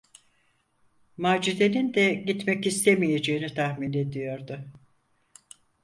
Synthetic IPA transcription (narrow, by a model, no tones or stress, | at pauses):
maːd͡ʒid̪e̞nind̪ɛɟit̪mɛcist̪ʰemije̞d͡ʒe̞ːinit̪ʰahmine̞d̪ijo̞ɾd̪ʊ